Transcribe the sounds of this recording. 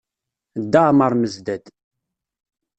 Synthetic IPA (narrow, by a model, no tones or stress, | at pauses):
d̪ːəʁməɾˤməzd̪æd̪